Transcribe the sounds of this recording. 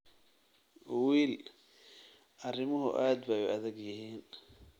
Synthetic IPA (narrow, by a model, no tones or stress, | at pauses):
wiːl | ʔɐrɪmɐɦʊ̰ʔaːd̪̚bɐjɛɐðɛɡjɐɦiːn